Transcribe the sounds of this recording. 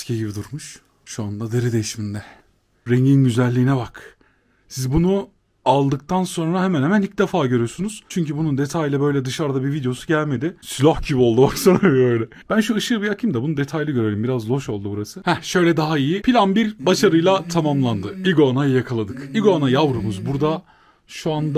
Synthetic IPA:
scʰeɟibid̪uɾmuʃ | ʃuand̪ad̪eɾɛd̪ejiʃmind̪ɛ | ɾeɲɟinɟyzælʲːiːnɛbak | sizbunu | alˠd̪ɯk̚t̪ʰanso̞nɾaɦemænhemænic̚d̪efaːɟøɾyjo̞sunuz̥t͡ʃʰyɲcʰybunund̪e̞t̪ʰajilʲɛbø̞jlʲɛd̪ɯʃaɾd̪abivid̪ejo̞suɟælʲme̞d̪ɪslʲohxɟibio̞lˠd̪ubaksonɾabøjlʲɛ | b̥ænʃuɯʃɯbiakʰimd̪ɛabunud̪e̞t̪ʰajlʲˠiɟøɾeɾimbiɾazlˠo̞ʃo̞lˠd̪ubuɾasɯhɛʃø̞jlʲɛd̪aɦaijipʰilʲanbiɾbaʃaɾɯjlˠat̪ʰamamlˠand̪ɯiɡoanajajakʰalˠad̪ɯkiɡoanajavɾumuzbuɾd̪a | ʃuand̪a

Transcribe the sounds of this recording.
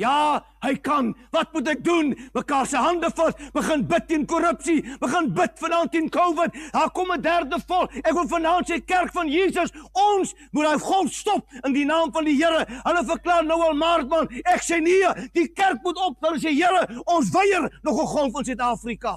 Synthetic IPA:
jɑː | ɦəjkɐnvɐtmut̬ɛk̚dunməkɑːrsəɦɐndəfɐtb̥əχənbətːiənkɔɾəpsibəχənbətfəndɑːntːiənkowvət̚dɑːrkɔmədærdəfɔlækvəlˠfəndɑːntsəjkærkfɐnjiːsəsɔns | mutɦəjχɔlˠtstɔp̚əndinɑːmfɐndiɦəəɾəɦələfərklɑːrnəwɐlˠmɑːrt̚mɐnɛksɛnidikærk̚mutɔpələs̬ɛɦəɾəɔns̬vəjərnɔχəχɔlˠfɐns̬œtɑːfrikɐ

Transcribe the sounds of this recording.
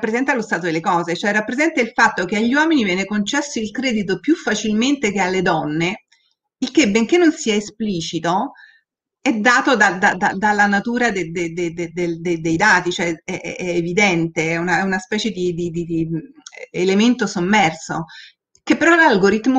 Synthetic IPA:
pːɾezɛnt̪alost̪aːt̪od̪elːekɔːzet͡ʃoɛrːapːɾezɛnt̪ailfat̪ːok̟eaʎːiwɔːminivjɛːnekont͡ʃɛsːoilkɾɛːd̪it̪̬opjufːat͡ʃilment̪ek̟ealːed̪ɔnːe | ilkebeŋkenːonsiːaespliːt͡ʃit̪o | ɛd̪ːaːt̪od̪ad̪ad̪ad̪alːanat̪uːɾad̪ed̪ed̪ed̪ed̪eld̪ed̪ejd̪aːt̪it͡ʃoɛɛɛ̰ɛːvid̪ɛnt̪eɛunaɛunaspɛːt͡ʃed̪id̪id̪id̪i | element̪osomːɛrso̰ | kepːeɾɔlalɡoɾit̪mo

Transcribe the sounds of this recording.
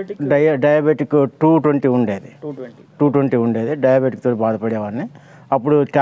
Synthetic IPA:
ɖɐjɖɐjaːbeʈikːʈuːʈʋɐɳʈiuɳɖeːðɯ | ʈuːʈʋɐɳʈiʊɳɖeːðɯɖɐjaːbeːʈɪk̚ːt̪oːɽɐbaːðɐpːɐɽɪjɐʋɐɾnɯ | ɐpːɔɽuka

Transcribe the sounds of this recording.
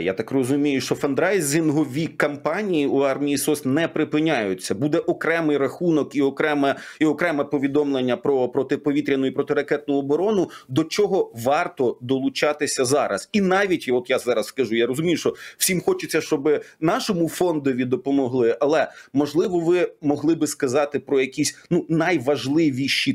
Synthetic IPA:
ja̰t̪ɑkrɔzʊmʲijʊʃt͡ʃɔfɐnd̪ɾajzʲɪnɦɔʋʲikɐmpɑnʲijiuɑrmʲijisɔsnɛpɾɪpɪnʲajʊt͡sʲːɐbud̪ɛʔɔkɾɛmɪjrɐxunɔkiɔkɾɛmɛiɔkɾɛmɛpɔʋʲid̪ɔmlˠenʲːɐpɾɔpɾɔt̪ɪpɔʋʲit̪ɾʲɐnʊipɾɔt̪ɪɾɐkɛt̪̚nʊɔbɔɾɔnʊd̪ɔt͡ʃɔɦɔʋɑrt̪ɔd̪ɔlˠʊt͡ʃɑt̪ɪsʲɐzɑɾɐ̰z̥inɑʋʲitʲɔt̪jazɑɾɐsskɐʒujaɾɔzʊmʲijʊʃt͡ʃɔwsʲimxɔt͡ʃɪt͡sʲːɐʃt͡ʃɔbɪnɑʃɔmʊfɔnd̪ɔʋʲid̪ɔpɔmɔɦlˠɪʔɐlˠɛmɔʒlˠɪʋɔʋɪmɔɦlˠɪbɪskɐzɑt̪ɪpɾɔjɐkʲisʲnunɐjʋɐʒlˠɪʋʲiʃi

